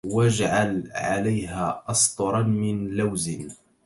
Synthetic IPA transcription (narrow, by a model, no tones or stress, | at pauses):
wad͡ʒʕalʕalajɦaʔɑsˤt̪ˤʊɾˤɑnmɪnlawzɪn